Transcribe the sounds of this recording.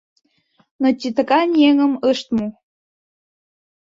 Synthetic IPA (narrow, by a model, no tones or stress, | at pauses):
not͡ɕʲit̪ə̆kɑnʲeŋəməʃt̪mu